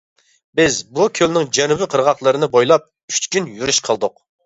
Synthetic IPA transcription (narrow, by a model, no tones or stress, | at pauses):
bɪzbukʲʰølnɪŋd͡ʒɛnubɪqʰəɾʁɑχlˠəɾɨnɨbojlˠɑp̚ | yt͡ʃkʲynjyɾyʃqʰəlˠd̪ʊq